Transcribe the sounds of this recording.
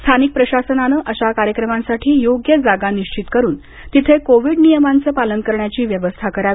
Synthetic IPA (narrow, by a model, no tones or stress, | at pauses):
st̪ʰanik̚pɾəɕasənanəʔəɕakaɾjəkɾəmãnsaʈʰiːjoɡjəd͡zaɡaniɕt͡ɕit̪kəɾuːn | t̪it̪ʰekoʋiɖnijəmant͡səːpalənkəɾɳjat͡ɕiːʋjəʋəst̪ʰakəɾa